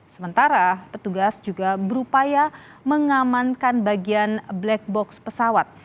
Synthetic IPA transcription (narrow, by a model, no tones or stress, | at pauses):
səmənt̪aɾapət̪uɡasd͡ʒuɡabəɾupajaməŋamankanbaɡianblɛk̚bɔkspəsawat̪̚